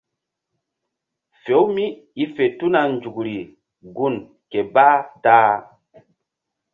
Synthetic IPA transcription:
fe˨˦wmi˦ | i˦fe˨tu˦na˨nd͡ʒu˨kɾi˨ | ɡu˦˨n | ke˨ba˦taː˦

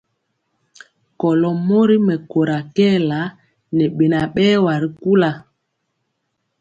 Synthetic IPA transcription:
kɔ˨lɔ˨mo˦ɾi˦mɛ˨ko˨ɾa˨kɛ˦˨la˨˦ | nɛ˨ɓe˨na˨ɓɛ˦wa˨ɾi˦ku˦la˨

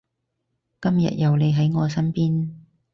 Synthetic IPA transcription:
kɐ˥mjɐ̰˨t̚jɐ˨wle˨˧jɦɐ˨˥jŋɔː˨˧sɐ˥npiː˥n

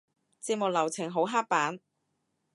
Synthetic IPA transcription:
t͡siː˧p̚mʊ˨k̚lɐ˨˩wt͡sʰɪ˨˩ŋɦo˨˥wɦaː˥k̚paː˨˥n

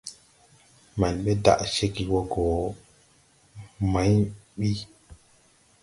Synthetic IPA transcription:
ma˨nɓe˦da̰˨ʔʃe˦ki˨wo˦ɡo˨ | ma˨˦ɲɓi˦

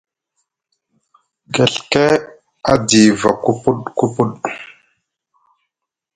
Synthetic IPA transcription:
ɡe˨ɬke˦ | a˦di˨va˨ku˦pu˦ɗku˦pu˦ɗ

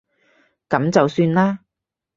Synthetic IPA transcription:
kɐ˨˥mt͡sɐ˨wsyː˧nlaː˥

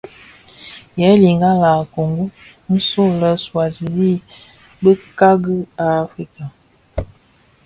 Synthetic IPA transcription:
jɛ˨˦li˨ŋɡa˦la˨ko˨ŋɡu˦ | n̩˦so˦˨lə˦swa˨zi˨li˦˨ | bə˦ka˦ɡə˦a˨˦fi˦ka˨

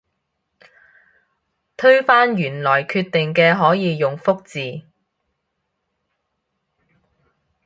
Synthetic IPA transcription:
t̪ʰɵ˥ɥfaː˥njyː˨˩nlɔː˨˩jkʰyː˧t̪ɪ˨ŋkɛː˧ɦɔː˨˥jiː˨˧jʊ˨ŋfʊ˥k̚t͡siː˨

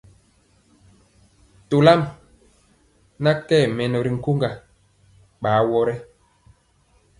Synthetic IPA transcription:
to˨la˦m | na˦kɛ˦˨mɛ˨nɔ˨ɾi˨ŋ̩˨ku˦ŋɡa˨ | ɓaː˨˦wɔ˦ɾɛ˦

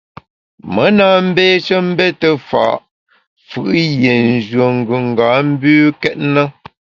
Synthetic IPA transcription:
mə˨˦naː˨m̩˦beː˦t͡ʃə˦m̩˦bɛ˦tə˨fa̰˨ʔ | fɯ̰˨ʔje˨n˨d͡ʒɥə˨ŋ̩˨ɡʉ˨ŋ̩˨ɡaː˨˦m̩˦bʉː˦kɛ˦t̚nə˦

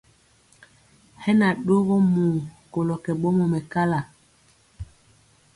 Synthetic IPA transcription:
hɛ˦na˨ɗo˦ɣɔ˦mu˨ko˨lɔ˨kɛ˨ɓɔ˦mɔ˨mɛ˨ka˦la˨

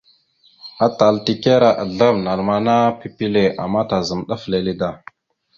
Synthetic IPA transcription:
a˨ta˨lti˨ke˦ɾa˨ʔa˨ɮa˦vna˨lma˨na˦pi˦pi˦le˨ʔa̰˨ma˦ta˨zə˨mɗa˦fle˨li˦da˨

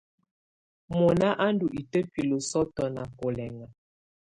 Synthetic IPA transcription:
mɔ˨na˦ʔa˦ndu˨ʔi˨tə˦pi˨lo˨sɔ˦tɔ˨na˨ko˨lɛ˨ŋa˨

